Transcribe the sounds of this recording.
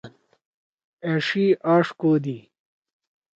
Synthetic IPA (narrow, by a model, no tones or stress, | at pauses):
n | eʂiʔaːʂkoːd̪i